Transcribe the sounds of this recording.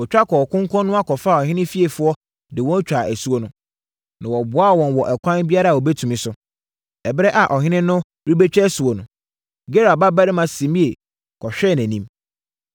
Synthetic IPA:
ɔ˨t͡ɕᶣa˦kʰɔ˨kʰʊ̃˦ŋ˦kʰɔ̃˦nːʊ̃˦a˦kʰɔ˨faː˦˨ɔ˨ɦɪ̃˦nɪ̃˦fi˦e˨fʊ˨˦ɔ˦ | dɪ˨wɔ̃˦n˦t͡ɕᶣɾa˨ʔæ˨su˦wo˦nʊ̃˦ | nã˨wɔ˨bʊ˨˦a˦˨wɔ̃˨nwɔ˨ʔɛ˨kʷʰã˦nbi˦a˦ɾa˨o˨bɛ˦tʰũ˨mɪ̃˨sʊ˨ | ɛ˨bɪ˦ɾɛ˦ʔa˨ʔɔ˨ɦɪ̃˦nɪ̃˦nʊ̃˦ | ɾi˦be˦t͡ɕᶣɛ˦su˨wɔ˨nʊ̃˨ | ɡe˦ɾa˨ba˦ba˦ɾɪ˦mã˨sĩ˨mĩ˦e˨ | kʰɔ˨ɕᶣɛ˦˨næ̃˨nĩ˦m

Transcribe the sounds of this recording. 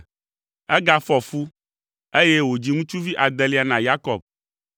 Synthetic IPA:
ɛ˦ɡa˦fɔ˨fu˦ | e˦jɛ˦wo˨d͡ʑi˨˦ŋũ˦t͡ʃu˦vi˦ʔa˨d̪ɛ˨li˦a˨nã˨ja˦kɔ˨b̚

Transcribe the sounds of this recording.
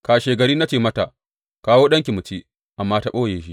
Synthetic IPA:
kaː˨ʃeː˨ɡɐ˨ɾiː˦na˦t͡ʃeː˨mɐ˦ta˨ | kaː˦woː˦ɗɐ˦ŋkʲi˨mʊ˨t͡ʃi˦ | ʔa˨mːaː˦ta˨ɓoː˦jeː˨ʃ̬i˦

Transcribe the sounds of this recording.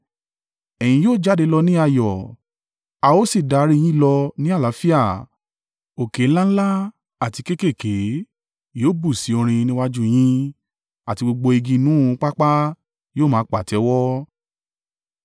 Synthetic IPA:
ɛ˨j̃ĩ˧joː˦˨d͡ʒa˨˦de˧lɔ˧nĩ˦a˦˨jɔ˨ | a˧o˦si˦˨da˧˨˦ɾi˦˧j̃ĩ˦˨lɔ˧nĩ˦a˦˨la˨˦fi˦a˦˨ | o˨ke˨˦la˦n̩˦la˦ | a˦˨ti˧ke˦ke˦˨ke˨˦ | joː˦˨˦bu˦˨si˨˦o˧ɾ̃ĩ˧nĩ˦wa˦d͡ʒu˦j̃ĩ˦ | a˦˨ti˧ɡ͡bo˧ɡ͡bo˧i˧ɡĩ˧nũ˨˦˧k͡pa˦k͡pa˦ | joː˦˨mãː˨˦k͡pa˨tɛ˨˦wɔ˦

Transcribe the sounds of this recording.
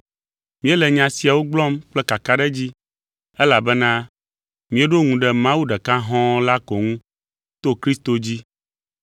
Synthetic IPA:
mĩ˦ɛ˦lɛ˨ɲã˨si˨a˨wo˦ɡ͡blɔ˦mk͡plɛ˦ka˨ka˦ɖɛ˦d͡ʑi˦ | ɛ˦la˨bɛ˦nã˦ | mĩ˨˦e˦ɖo˦ŋũ˨ɖɛ˨mã˦wu˦ɖɛ˨kã˦ɦɔ̃˦la˦kɔ˨ŋũ˦ | t̪o˦kɾi˦st̪o˨d͡ʑi˦

